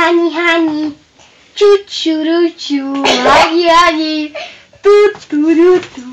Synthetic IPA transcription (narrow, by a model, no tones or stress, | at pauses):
aniɦani | t͡ʃut̪t͡ʃuɾut͡ʃuaiaji | t̪ut̪uɾut̪u